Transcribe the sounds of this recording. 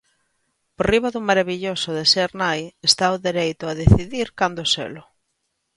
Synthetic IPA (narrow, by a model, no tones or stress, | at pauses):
poriβaðʊmaɾaβiʎosʊðeseɾnajest̪aʊðeɾejt̪ʊaðeθiðiɾkand̪ʊsḛlʊ